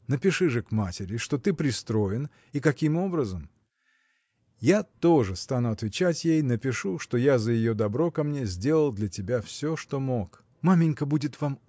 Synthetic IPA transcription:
nəpʲɪʂɨʐɨkmatʲɪɾʲɪʂt̪o̞t̪ɨpɾʲɪst̪ɾo̞jɪn | ikɐkʲimo̞bɾəzəm | jat̪o̞ʐɨst̪anʊɐt̪vʲɪt͡ɕætʲjejnəpʲɪʂuʂt̪o̞jazəjɪjo̞d̪ɐbɾo̞kɐmnʲe̞zʲdʲe̞lˠəlˠd̪lʲɐtʲɪbʲafsʲoʂt̪o̞mo̞k | mamʲɪnʲkəbudʲɪt̪vam

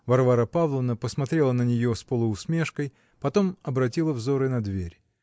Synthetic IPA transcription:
vɐrvaɾəpavlˠəvnəpəsmɐt̪ɾʲe̞lˠənənʲɪjo̞spəlˠəʊsmʲeʂkəj | pɐt̪o̞mɐbɾɐtʲilˠəvzo̞ɾɨnɐd̪vʲeɾʲ

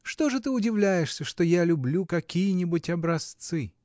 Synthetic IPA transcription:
ʂt̪o̞ʐɨt̪ɨʊdʲɪvlʲæjɪʂsʲəʂt̪ojalʲʊblʲukɐkʲijənʲɪbʊtʲɐbɾɐst̪sɨ

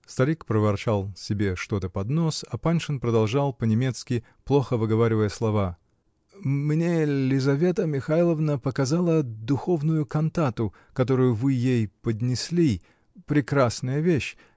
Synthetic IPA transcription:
st̪ɐɾʲikpɾəvɐrt͡ɕalˠsʲɪbʲe̞ʂt̪o̞t̪əpɐd̪no̞sɐpanʲʂɨnpɾəd̪ɐlˠʐɑlˠpənʲɪmʲe̞t̪skʲɪ | plˠo̞xəvɨɡɐvaɾʲɪvəjəslˠɐva | mnʲelʲɪzɐvʲe̞t̪əmʲɪxajlˠəvnəpəkɐzalˠəd̪ʊxo̞vnʊjʊkɐnt̪at̪ʊ | kɐt̪o̞ɾʊjʊvɨjejpəd̪ʲnʲɪsʲlʲi | pɾʲɪkɾasnəjəvʲeɕ

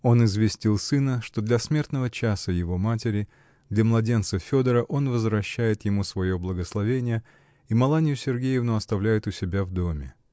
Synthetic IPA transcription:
o̞nɪzvʲɪsʲtʲilˠsɨnəʂt̪o̞d̪lʲɐsmʲe̞rt̪nəvət͡ɕasəjɪvo̞matʲɪɾʲɪ | d̪lʲɐmlˠɐdʲe̞nt̪səfʲo̞d̪əɾəʔo̞nvəzvɾɐɕːæjɪt̪jɪmusvɐjo̞blˠəɡəslˠɐvʲenʲɪjə | imɐlˠanʲɪjʊsʲɪrɡʲejɪvnʊɐst̪ɐvlʲæjɪt̪ʊsʲɪbʲavd̪o̞mʲɪ

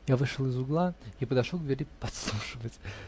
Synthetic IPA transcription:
javɨʂɨlˠɨzʊɡlˠaipəd̪ɐʂolˠɡd̪vʲɪɾʲipɐt̪slˠuʂɨvətʲ

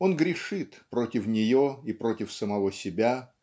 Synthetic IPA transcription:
o̞nɡɾʲɪʂɨt̪pɾo̞tʲɪfnʲɪjo̞ipɾo̞tʲɪfsəmɐvo̞sʲɪbʲa

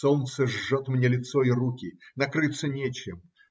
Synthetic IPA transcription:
solnt̪səʐːot̪mnʲelʲɪt̪soirukʲɪnɐkɾɨt̪sːənʲet͡ɕɪm

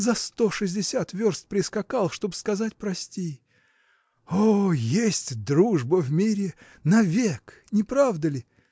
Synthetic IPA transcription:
zɐst̪o̞ʂɨzʲdʲɪsʲat̪vʲo̞rst̪̚pɾʲɪskɐkalˠʂt̪o̞bskɐzat̚ʲpɾɐsʲtʲi | ojesʲtʲd̪ɾuʐbəvmʲiɾʲɪ | nɐvʲek | nʲɪpɾavd̪əlʲɪ

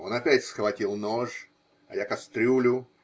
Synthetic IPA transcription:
o̞nɐpʲætʲsxvɐtʲilˠnoʂ | ɐ̰jakɐst̪ɾʲulʲʊ

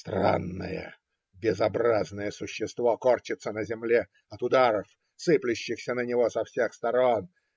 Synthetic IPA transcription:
st̪ɾa̰nːə̰jə̰ | bʲɪzɐbɾaznəjəsʊɕːɪst̪vokort͡ɕɪt̪sənəzʲɪmlʲe | ɐt̪ʊd̪aɾəf | sɨplʲʊɕːɪxsʲənənʲɪvosɐfsʲexst̪ɐɾo̞n

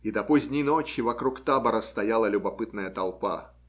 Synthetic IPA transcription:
id̪ɐpozʲd̪ʲnʲijnot͡ɕɪvɐkɾukt̪abəɾəst̪ɐjalˠəlʲʊbɐpɨt̪nəjət̪ɐlˠpa̰

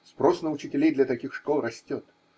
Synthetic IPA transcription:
spɾo̞snəʊt͡ɕɪtʲɪlʲejd̪lʲɐt̪ɐkʲixʂkolˠrɐsʲtʲot̪

